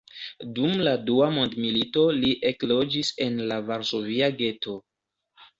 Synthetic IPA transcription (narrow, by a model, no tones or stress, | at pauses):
dumladuamo̞ndmilito̞liʔe̞klo̞d͡ʒise̞nlavaɾso̞viaɡe̞to̞